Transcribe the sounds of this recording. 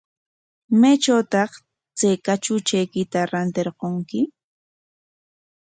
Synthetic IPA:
majt͡ʃawt̪ɑχ | t͡sajkat͡ʃʊt͡ʃajkɪt̪aɾant̪eɾqoŋkɪ

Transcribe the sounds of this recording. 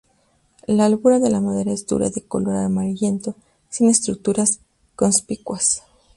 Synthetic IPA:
laːlɣuɾaðe̞lamoðe̞ɾae̞zd̪ṵɾa̰ðe̞ko̞̰lo̞ɾaɾmaɾʎe̞nt̪o̞ | sine̞st̪ɾuk̚t̪uɾas | ko̞nspikwas

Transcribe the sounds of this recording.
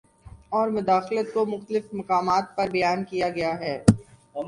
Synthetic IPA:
ɔːɾmʊd̪aːxlət̪̚komʊxt̪əlɪfmɐqaːmaːt̪̚pɐɾbɐjaːnkijaɡɐjaɦɛː

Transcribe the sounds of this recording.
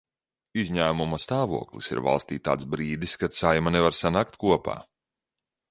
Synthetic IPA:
izʲɲæːmumɐst̪aːvṵɔklˠḭsḭɾva̰lˠst̪iːt̪a̰ːt̪sbɾiːd̪iskat̪sajmanɛvaɾsanaːkt̪̚kuɔpa̰ː

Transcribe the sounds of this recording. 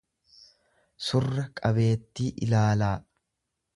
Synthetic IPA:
sʊrːɐkʼɐbe̞ːt̪ːiːʔɪlaːlaː

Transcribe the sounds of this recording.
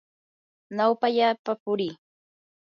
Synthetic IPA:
nawpaʎaːpapʊɾiː

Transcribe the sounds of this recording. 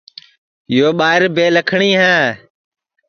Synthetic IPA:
ɪjoːɓaːɪɾbeːləkʰɳiːɦɛ̃ː

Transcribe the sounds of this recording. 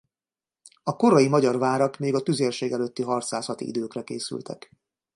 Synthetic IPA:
ɒko̞ɾɒjimɒɟɒrvaːɾɒkmeːɡɒt̪yzeːrʃeːɡɛløt̪ːiɦɒrt̪saːsɒt̪ḭḭd̪øːkrɛkeːsy̰lt̪ʰɛ̰k

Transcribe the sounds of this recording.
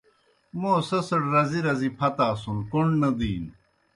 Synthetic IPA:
moːsɐsɐɽɾɐziɾɐzipʰɐt̪aːsunkoɳɖnɐd̪iːn

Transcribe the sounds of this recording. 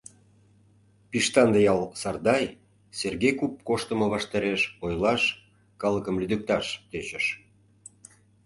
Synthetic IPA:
piʃt̪ɑnd̪əjɑlˠsɑrd̪ɑj | serɡejkup̚koʃt̪ə̆mɤ̆βɑʃt̪ɑɾeʃojlɑʃ | kɑləkəmlyd̪ək̚t̪ɑʃt̪et͡ɕəʃ

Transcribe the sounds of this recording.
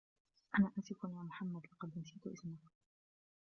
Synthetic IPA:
ʔanaːʔansɪkʊnjaːmʊħamːad̪lɑqɑd̪ʔɪnsiːt̪ʊʔɪsmak

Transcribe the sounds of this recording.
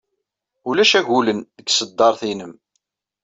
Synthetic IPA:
ulæʃæʝulənðəɡsəd̪ːɑɾˤθinəm

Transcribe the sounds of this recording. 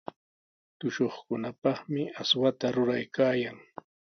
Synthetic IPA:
t̪ʊʃoχkʊnapɑχmɪaswat̪aɾʊɾajkaːjaŋ

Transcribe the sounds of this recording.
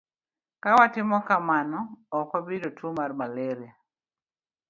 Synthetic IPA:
kawatɪmɔkamanɔːkwabidotʰumarmalɛɾia

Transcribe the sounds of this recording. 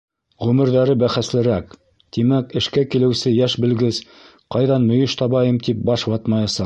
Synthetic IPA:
ʁʉmɘ̆ɾðæɾɘbæχæslɘ̆ɾæk | t̪imækɘ̆ʃkækilɘ̆wsɘjæʃbɘ̆lɡɘz | qɑjðɑnmɵ̆jɵʃt̪ɑβɑjɤmt̪ip̚bɑʃwɑt̪mɑjɑsɑq̚

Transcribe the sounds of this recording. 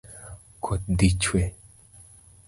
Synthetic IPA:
kʰot̪̚d̪it͡ʃʰwe

